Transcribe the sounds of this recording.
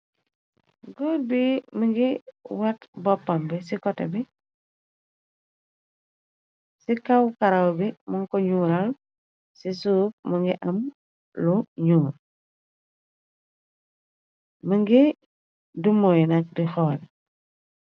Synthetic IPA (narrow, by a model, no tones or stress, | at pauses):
ɡoɾbiməŋɡiwɐtbɔpːɐmbisikɔtɛ̰bi | sikɐwkɐɾɐwbimɐŋkɔɲuːɾɐl | sisuːp̚məŋɡiʔɐm | luɲuːɾ | məŋɡi | dumɔnɐk̚dixɔːl